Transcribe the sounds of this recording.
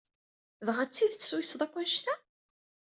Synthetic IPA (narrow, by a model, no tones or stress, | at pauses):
ðʁat͡sːiðt͡sːsujsðˤækʷːænʃt̪æ